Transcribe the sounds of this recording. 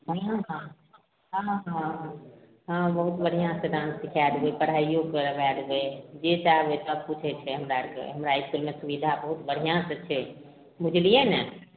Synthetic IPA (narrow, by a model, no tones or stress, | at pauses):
bəiãɦã | ɦãɦã | ɦãbəɦut̪bəɽ̤ijãsə̃ɖãnsːikʰaɾuepəɽɦajjokeɾəʋaɾued͡ʒet͡ʃaɦbet̪ɔəb̚put͡ʃʰɛt͡ʃʰɛɦəmɾaɾkḛɦəmɾaiskulmesubid̪ʱabəɦut̪bəɽ̤ijãsət͡ʃʰɛ | mud͡ʒlijene